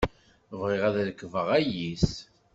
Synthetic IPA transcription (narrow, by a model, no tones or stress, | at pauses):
vʁiʁæðləkːvəʁæjis